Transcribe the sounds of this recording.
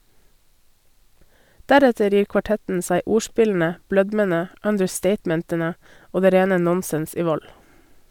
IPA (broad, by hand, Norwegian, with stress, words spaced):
ˈdæɾɛtəɾ ˈjiːɾ kʋɑˈʈɛtn̩ ˈsæɪ ˈuːˌʃpɪln̩ə ˈblœdmənə œndəɾˈsteɪtmɛntənə ˈoː ˈdeː ˈɾeːnə ˈnɔnsɛns ˈiː ˈʋɔl